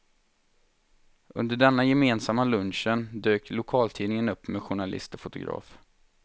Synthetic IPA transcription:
ʔɵ̰nd̪əɖɛnːajɛmeːnsamːalɵnɕənd̪øːklʊkʰɑːlt̪ʰiːnɪŋənɵpːmeɧʊɳalɪ̰st̪ɔfʊt̪ʊɡɾɑ̰ːf

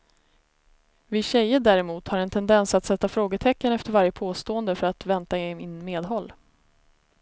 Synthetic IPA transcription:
vɪɕɛjːəɖæːɾɛmuːt̪haɾɛnt̪ʰɛnd̪ɛnsat̪sɛt̪ːafɾoːɡət̪ʰɛkːənɛft̪əɾvaɾjəpʰoːst̪oːənd̪əfœɾat̪vɛnt̪aeɪnmeːd̪ɦɔlː

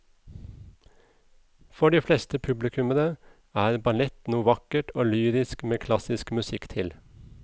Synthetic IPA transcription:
fɔɖiːflɛst̪əpʰʉblɪkʰʉmənə | æːɾbɑlɛt̪nuːʋɑkəʈoːlyːɾɪskmeːkʰlɑsɪskmʉsɪkt̪ʰɪl

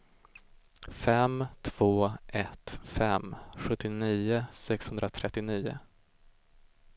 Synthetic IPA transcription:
fɛmt̪ʰv̥oːʔɛt̪fɛmɧɵt̪ːɪniːʊsɛkshɵnd̪ɾat̪ʰɾɛt̪ːɪniːʊ̰

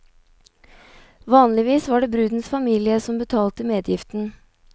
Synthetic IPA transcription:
ʋɑːnlɪʋiːsʋɑːɖeːbɾʉːd̪n̩sfɑmiːlɪəsɔmbət̪ʰɑːlt̪əmeːd̪jɪft̪n̩

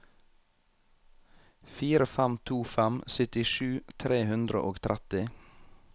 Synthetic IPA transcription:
fiːɾəfæmt̪ʰuːfæmsʏt̪ɪʃʉːt̪ʰɾeːhʉnd̪ɾə̰ʔoːɡt̪ʰɾʔæt̪ɪ

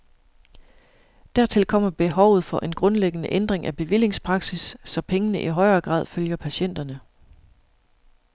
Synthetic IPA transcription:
d̥æɐ̰t͡sʰe̝lkʰɒ̽m̰ɐb̥e̝ɦɒʊð̩ˠfɒ̽ʔe̝nɡ̥ʁɔ̽nleɡ̥ənəʔend̥ʁeŋʔæb̥e̝ʋil̰je̝ŋspʰʁɑ̈ɡ̥sisːɒ̽pʰeŋənəʔiɦɒ̽ɪɐːɡ̥ʁɑ̰̈ːð̰ˠføljɐpʰæɕen̰d̥ɐnə

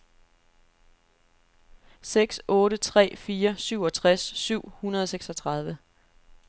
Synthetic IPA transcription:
seɡ̥sɔ̽ːɾət͡sʰʁɛ̰ːfiːɐsyʊ̰ɒ̽t͡sʰʁasːyʊ̰hunɐð̞ˠseɡ̥sɒt͡sʰʁɑ̈ð̞ˠʋə

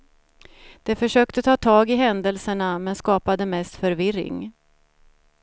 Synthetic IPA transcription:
d̪̥ɛfœʂøːkt̪ət̪ʰɑːt̪ʰɑːɡɪɦɛnd̪əlsəɳamɛnskɑːpad̪əmɛst̪fœɾvɪrɪ̰ŋ

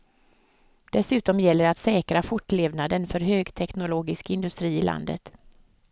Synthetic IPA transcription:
d̪̥ɛsʉ̟ːt̪ɔmjɛlːəɾat̪sɛːkɾafʊʈːleːvnad̪ənfœɾɦøːɡt̪ʰɛknʊloːɡɪskɪnd̪ɵst̪ɾiːɪla̰nd̪ə̰t̪

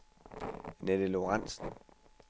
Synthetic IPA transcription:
nedəloʁɑn̰sn̩

